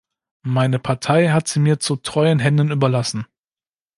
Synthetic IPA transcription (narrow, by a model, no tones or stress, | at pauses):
maɪnəpʰaɐtʰaɪɦatz̥iːmiːɐt͡sutʁ̥ɔʏənɦɛndənyːbɐlasn̩